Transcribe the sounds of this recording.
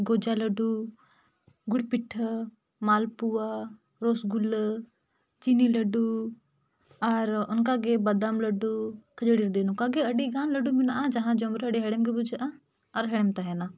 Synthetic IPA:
ɡoːd͡ʒaləɖu | ɡʊɽpɪʈʰː | maːlpua | ɾoːsɡʊl | t͡ʃiːniləɖu | ɐɾʊnkaɡebəd̪əmləɖukʰəd͡ʒəɽiɾd̪eːnukaɡeɐɖiɡaːnləɖumɪnaad͡ʒɐɦãd͡ʒomɾeəɖeɦɛɽəmɡebʊd͡ʒʔa | ɐɾɦeɽəmt̪aɦeːnaː

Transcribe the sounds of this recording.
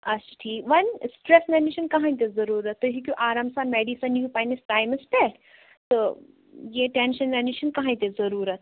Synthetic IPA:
ɐt͡ʃʈʰiːʋɐnsʈɾesnɐniʃɐnkɐɦãĩt̪̬ezɐɾuːɾɐt̪ːəɦikʲuʔaːɾamsaːnmeɖisɐnupajnesʈaːjməsʈeʈ | t̪ə | jeʈenʃɐnnɐniʃɐnkɐɦãj̃t̪ezɐɾuːɾɐt̪̚

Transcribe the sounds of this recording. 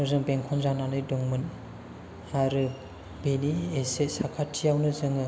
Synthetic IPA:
nɔzɯŋbeŋkʰɔnzananɯjdɔŋmɯn | aɾɯ | beniesetsakʰatʰijawnɯzɯŋɯ

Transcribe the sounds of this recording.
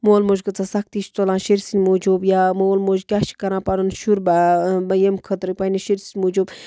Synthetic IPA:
moːlmoʒʲkɐt͡sasɐk̚t̪it͡ʃʰt̪olãːnʃeɾsinʲmod͡ʒoːbjaːmoːlmoːd͡ʒkʲaːʃi̥kɐɾãːpaɾunʃuɾbabɐjemkʰɐt̪ɾɨpɐniʃeɾsinʲmoːd͡ʒoːb

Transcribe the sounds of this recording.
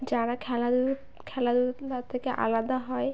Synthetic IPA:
d͡ʑaɽakʰɛlad̪u | kʰɛlad̪uat̪ʰekeʔa̰lad̪aɦɔe

